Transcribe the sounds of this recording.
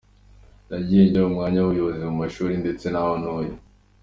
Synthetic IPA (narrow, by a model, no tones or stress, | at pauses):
naɟeːndaumŋaːɲaβujoβozimumaʃuːɾinde̞t͡se̞naho̞nhoːjo